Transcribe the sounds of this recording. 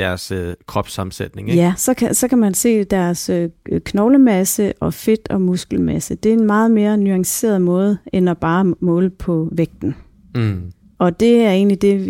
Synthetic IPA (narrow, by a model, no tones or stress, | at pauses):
d̥æɐskʰʁɒ̽b̥sɑ̈m̩sed̥ne̝ŋjæsɒ̽kʰæsɒ̽kʰæmænse̝̰ːd̥æɐɐsøkʰnɒʊləmæsəʔɒ̽fe̝d̥ɒ̽musɡ̥l̩mæsəd̥e̝æe̝nmɑ̈ːð̞̩ˠme̝ːɐnyɑ̈ŋse̝̰ːɐð̩ˠmɔ̽ːð̞̩ˠenɒb̥ɑ̈ːmɔ̽ːlpʰɒ̽ʋeɡ̥̚d̥n̩ | ɒ̽d̥e̝æɐe̝̰ːnlid̥e̝